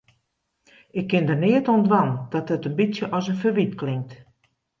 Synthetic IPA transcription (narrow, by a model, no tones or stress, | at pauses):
ɪkːɪndərnɪətɔndʋand̥ɔtətənbisjəʔɔsənfərʋitklɪŋk̚t